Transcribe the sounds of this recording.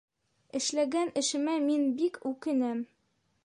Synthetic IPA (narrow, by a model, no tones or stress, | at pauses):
ɘ̆ʃlæɡænɘ̆ʃɘ̆mæminbikʉkɘ̆næm